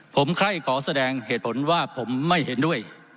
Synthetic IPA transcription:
pʰo˩˦mkʰɾa˥˩jkʰɔː˩˦sa˧dɛː˧ŋheː˨˩t̪̚pʰo˩˦nwaː˥˩pʰo˩˦mːa˥˩jhe˩˦ndu˥˩əj

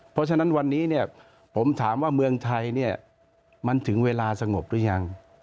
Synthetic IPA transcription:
pʰɔ˦˥t͡ɕʰa˧na˦˥nwa˧nːiː˦˥ni˥˩ɐ | pʰo˩˦mt̪ʰaː˩˦mwaː˥˩mɯ˧əŋt̪ʰa˧jni˥˩ɐ | ma˧nt̪ʰɯ˩˦ŋweː˧laː˧sa˧ŋo˨˩p̚du˧˥˩əjɲa˧ŋ

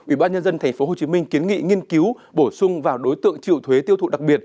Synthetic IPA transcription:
ʔwḭ˧˩˨ɓaː˧nɲə˧nzə˧nt̪ʰɛ˨˩jŋ̟fo˨˦ɦo˨˩t͡ɕi˨˦mï˧ŋ̟ki˨˦ənŋḭ˧˨ŋi˧ənki˨˦w | ɓo˧˩sʊ˧ŋ͡mvaː˨˩wɗo˨˦jt̪ɨ̰˧˨əŋt͡ɕḭ˧˨əwt̪ʰwe˨˦t̪i˧ət̪ʰṵ˧˨˩ɗa˨˩k̚ɓi˨˩ət̚

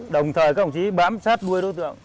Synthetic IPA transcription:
ɗə˨˩wŋ͡mt̪ʰəː˨˩jkaː˦˥˩ŋ͡mt͡ɕi˨˦ɓaː˨˦msaː˦˥t̚ɗu˧əjɗt̪ɨ̰˧˨əŋ

